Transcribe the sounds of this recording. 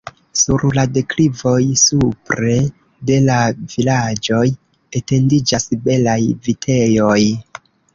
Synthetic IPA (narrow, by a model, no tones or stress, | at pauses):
suɾladeklivo̞jsupɾe̞ | de̞lavilad͡ʒo̞j | ete̞ndid͡ʒasbe̞lajvitʰe̞jo̞j